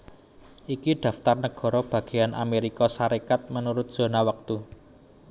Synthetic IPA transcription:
ʔikiɖ̪̥ä̤ft̪arnəɡ̥ɔ̤ɾɔb̥ä̤ɡ̥e̤janʔa̰meɾikɔsaɾekat̪̚mənuɾʊt̪̚d̥ʒ̥o̤nawək̚t̪u

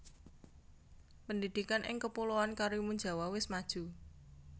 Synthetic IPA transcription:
pənd̪id̪̥ikanʔɪ̰ŋkəpuloankaɾimuɲd͡ʒa̤wawɪsmad̥ʒ̥ṳ

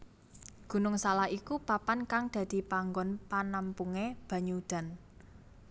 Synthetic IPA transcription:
ɡ̥ṳnʊŋsalahikupapankaŋd̪̥a̤d̪̥i̤paŋɡɔnpanampuŋeb̥ä̤ɲud̪̥a̤n

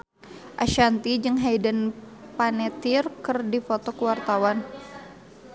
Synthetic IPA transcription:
ʔaʃant̪id͡ʒɨŋɦajdən | panɛt̪irkɨrdifɔt̪ɔkəwart̪awan

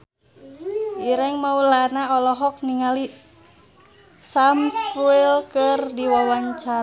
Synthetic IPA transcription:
ʔiɾɛŋmaulanaɔlɔɦɔk̚niŋali | samskuilkɨrdiwawaɲt͡ʃaɾ

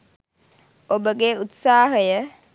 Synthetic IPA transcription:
obəɡeut̪saːɦəjə

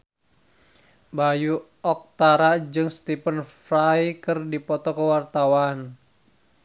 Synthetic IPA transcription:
baju | ɔk̚t̪aɾad͡ʒɨŋst̪ipənfɾajkɨrdipɔt̪ɔkəwart̪awan

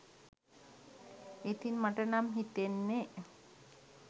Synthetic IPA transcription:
et̪inmaʈənamɦit̪enːe

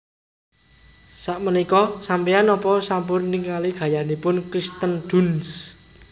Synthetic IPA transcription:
saʔmənikɔsampianɔpɔsampʊrniŋaliɡ̥ä̤janipʊnkɾist̪ənd̪̥uns

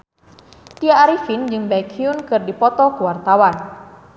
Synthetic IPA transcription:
t̪iaːɾifind͡ʒɨŋbaikʰiunkɨrdipɔt̪ɔkuwart̪awan

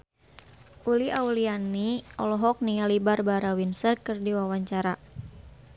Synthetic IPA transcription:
ʔuliʔaulianiɔlɔɦɔk̚niŋalibarbaɾawinsərkɨrdiwawaɲt͡ʃaɾa

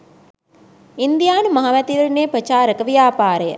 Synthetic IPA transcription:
ind̪ijaːnumɐɦaʋæt̪iʋəɾneːpɾət͡ʃaːɾəkəʋijaːpaːɾəjə̰

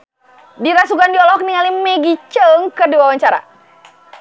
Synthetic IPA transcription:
diɾasuɡandiɔlɔk̚niŋalimɛɡit͡ʃəŋkəduawaɲt͡ʃaɾa̰

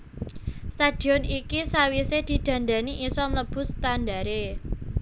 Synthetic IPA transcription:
st̪ad̪̥i̤ɔnikisawised̪̥i̤d̪̥ä̤nd̪a̤niʔisɔmləb̥ʊ̤st̪and̪aɾe

